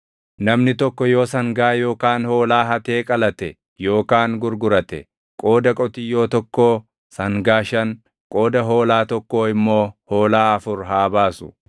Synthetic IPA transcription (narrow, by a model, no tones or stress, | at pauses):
nɐmnɪt̪ɔkːɔjo̞ːsɐŋɡaːjo̞ːkaːnho̞ːlaːɦɐt̪eːkʼɐlɐt̪ɛ | jo̞ːkaːŋɡʊɾɡʊɾɐt̪ɛ̰ | kʼo̞ːd̪ɐkʼɔt̪ɪjo̞ːt̪ɔkːoː | sɐŋɡaːʃɐŋ | kʼo̞ːd̪ɐɦo̞ːlaːt̪ɔkːo̞ːɪmːo̞ːho̞ːlaːɐfʊɾɦaːbaːsʊ̥